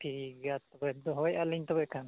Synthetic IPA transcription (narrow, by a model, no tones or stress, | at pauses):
tʰiɾiɡat̪ːɔbɛd̪ɔɦɔjaliɲt̪ɔbɛʔkʰan